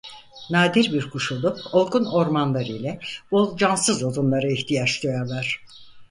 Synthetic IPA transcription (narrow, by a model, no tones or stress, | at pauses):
naːd̪iɾbiɾkʰuʃulˠupo̞lˠkuno̞ɾmanlˠaɾɯjlʲɛb̥o̞lˠd͡ʒansɯzolˠunlˠaɾɯiçt̪ʰijat͡ʃd̪ojalˠaɾ̝̥